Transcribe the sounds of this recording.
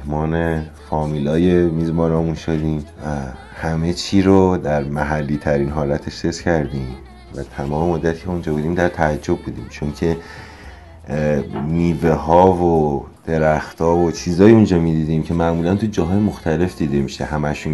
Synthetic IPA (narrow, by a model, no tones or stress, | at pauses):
hmɒːne̞fɒːmiːlɒːje̞miːzmɒːnɒːmunʃod̪iːmvæ | hæme̞t͡ʃʰiːɾod̪æɾmæɦælːiːt̪ʰæɾiːnɦɒːlæt̪ʰe̞ʃsescʰæɾd̪iːm | væt̪ʰæmɒːme̞mod̪ːæt̪ʰi̥ːcʰeund͡ʒɒːbuːd̪iːmd̪æɾt̪ʰææd͡ʒːo̞b̚buːd̪ḭːmt͡ʃʰo̞ncʰe̞ | niːve̞ɦɒːvod̪̥e̞ɾæxt̪ʰɒːvot͡ʃʰiːzɒːjiund͡ʒɒːmiːd̪iːd̪iːmcʰe̞mæʔmuːlænt̪ʰud͡ʒɒːɦɒːje̞moxt̪æle̞fd̪iːd̪e̞miʃḛɦæmæʃun